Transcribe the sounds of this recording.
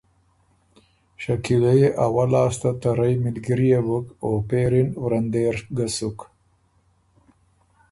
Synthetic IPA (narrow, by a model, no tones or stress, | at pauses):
ʃakilajeʔawalɑːst̪at̪aɾajmɪlɡiɾijebukopeɾinwɾand̪eːɾɡasuk